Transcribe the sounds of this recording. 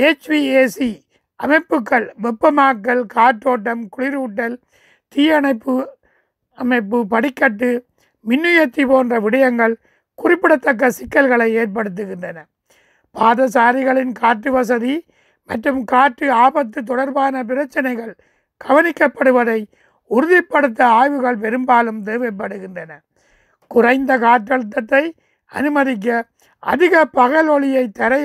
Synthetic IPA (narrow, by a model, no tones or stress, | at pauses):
eːt͡ʃʋieːsi | ɐmɐɪpːɯkːɐɭʋɛpːɐmaːkːɐlkaːʈːoːʈːɐmkʊɭɪɾuːʈːɐl | t̪iːɐɳɐɪpːɯ | ɐmɐɪpːɯpɐɽɪkːɐʈːɯ | mɪnːɯjɐt̪ːipoːndrɐʋɪɽɐjɐŋɡɐɭ | kʊrɪpːɪɽɐt̪ːɐk̬ːɐsɪkːɐlɣɐɭɐɪeːrp̬ɐɽɯt̪̬ːɯɣɪndrɐnɐ | paːðɐsaːɾɪɣɐɭɪnkaːʈːɯʋɐs̬ɐði | mɐʈrɯmkaːʈrɯaːbɐt̪ːɯt̪̬ɔɽɐɾbaːnɐp̬ɪɾɐt͡ʃːɐnɐɪɣɐɭ | ɡ̥ɐʋɐnɪkːɐpːɐɽɯʋɐðɐɪ | ʊɾɯðɪpːɐɽɯt̪̬ːɐaːjʋɯɣɐɭpɛɾɯmbaːlɯmt̪eːʋɐp̬ːɐɽɯɣɪndrɐnɐ | kʊrɐɪnd̪ɐkaːʈːɐɭɯt̪̬ːɐt̪ːɐɪ | ɐ̰nɯmɐɾɪk̬ːɐ | ʔɐ̰ðɪɣɐpɐɣɐlɔɭɪjɐɪt̪ːɐɾɐ